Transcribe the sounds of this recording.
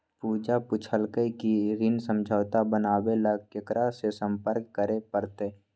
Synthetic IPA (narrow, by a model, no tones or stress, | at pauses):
puːd͡ʒapʊt͡ʃʰəlkəikiɾɪnsə̃md͡ʒʱəːt̪abənaːwelaɡkɪkɾasesə̃mpəɾkːəɾepəɾt̪eː